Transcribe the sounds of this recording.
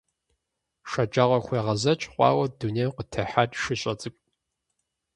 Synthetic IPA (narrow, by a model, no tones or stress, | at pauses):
ʂɐd͡ʒaːʁʷɐxʷeːʁɐzɐt͡ʃʼqʷʼɑ̰ːwɐdunejqətʰɐħatʼʃɪɕʼɐt͡sʼɨkʷʼ